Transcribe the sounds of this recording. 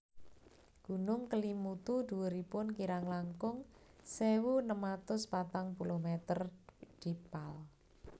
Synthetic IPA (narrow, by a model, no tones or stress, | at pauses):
ɡ̥ṳnʊŋkəlimut̪ud̪̥uwəɾipʊnkiɾaŋlaŋkʊŋsewunəmat̪ʊspat̪aŋpulohmet̪ərd̪̥ipal